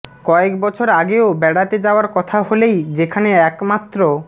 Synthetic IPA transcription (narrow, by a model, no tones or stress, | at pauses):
kɔekbɔt͡ʃʰoɾaɡeobɛɽat̪ed͡ʒaoaɾkɔt̪ʰaɦolejd͡ʑekʰaneɛkmat̪ːɾo